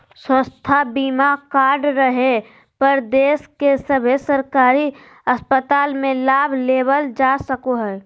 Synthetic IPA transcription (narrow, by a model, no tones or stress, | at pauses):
swə̃st̪ʰabiːmakaːɾɖɾəɦe | pəɾd̪eːskesəbʱesəɾkaːɾi | əspət̪aːlmẽlaːbʱleːbəld͡ʒasəkoɦɛː